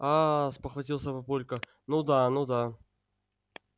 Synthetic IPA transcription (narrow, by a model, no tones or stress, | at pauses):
aspəxvɐtʲilˠsʲəpɐpolʲkə | nud̪anud̪a